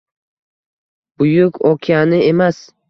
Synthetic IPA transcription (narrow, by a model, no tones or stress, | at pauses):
bʊjʊkʲʰɒkʲʰijanɪe̞mas